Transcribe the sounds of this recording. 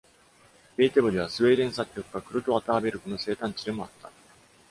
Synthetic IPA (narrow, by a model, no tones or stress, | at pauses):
be̞ːt̪ebod̪eβ̞asɨe̞ːɾẽ̞ɰ̃s̬akʲːo̞kɯ̟ɡakɯ̟ɾot̪o̞at̪aːbe̞ɾɯ̟ko̞no̞se̞ːt̪ãɲ̟t͡ɕid̪e̞mo̞at̪ːa